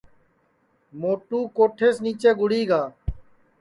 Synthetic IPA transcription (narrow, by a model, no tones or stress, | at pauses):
moːʈuːkoːʈʰeːsniːt͡ʃeːɡʊɽiːɡaː